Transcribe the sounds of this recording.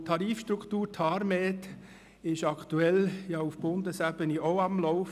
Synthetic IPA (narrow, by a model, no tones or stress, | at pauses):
tʰɑɾiːfʃt̪ɾukχtuːɾtʰɑɾmeːt | ɪʃɑkʰt̪uɛljɑufb̥ʊnd̪əsæb̥əniʔɔʊɑmlɔʊf